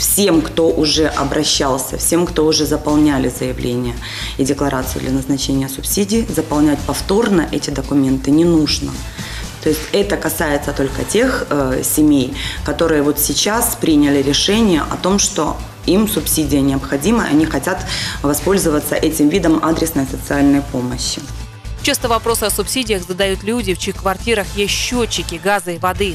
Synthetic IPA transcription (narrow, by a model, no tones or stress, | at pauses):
fsʲemkt̪o̞ʔʊʐɛʔɐbɾɐɕːalˠsʲəfsʲe̞mkt̪o̞ʊʐɛzəpɐlˠnʲælʲɪzəjɪvlʲʔenʲɪjə | ɪdʲɪklˠɐɾʔat̪sɨjʊ̰d̪lʲɐnəznɐt͡ɕenʲɪjəsʊpsʲidʲɪːzəpɐlˠnʲætʲpɐft̪o̞rnəʔɛtʲɪd̪əkʊmʲe̞nt̪ɨnʲɪnuʐnə̰ | t̪o̞ɪsʲtʲɛt̪əkɐsajɪt̪sət̪o̞lʲkətʲe̞xsʲɪmʲejkɐt̪o̞ɾɨjəvo̞t̪sʲɪt͡ɕaspɾʲinʲɪlʲɪɾʲɪʂɛnʲɪjə̰ʔɐt̪o̞mʂt̪o̞̰ | imsʊpsʲidʲɪjənʲɪɐpxɐdʲiməʔɐ̰nʲixɐtʲat̪vɐspo̞lʲzɨvət̪səʔɛtʲɪmvʲid̪əmad̪ɾʲɪsnəjsət̪sɨalʲnəjpo̞məɕːɪ | t͡ɕest̪əvɐpɾo̞sɨɐsʊpsʲidʲɪjəxzəd̪ɐjut̪lʲudʲɪft͡ɕixkvɐrtʲiɾəxjeɕːot͡ɕːɪkʲɪɡazɨvɐd̪ɨ